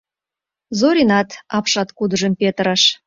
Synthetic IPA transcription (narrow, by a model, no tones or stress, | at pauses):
zoɾʲinɑt̪ɑpʃɑt̪kud̪əʒə̆mpet̪əɾɑʃ